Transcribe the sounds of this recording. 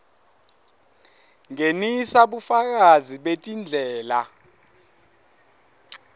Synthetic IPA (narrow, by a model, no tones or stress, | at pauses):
ŋenisaɓufak̬aziɓetʼind͡ɮʱɛːla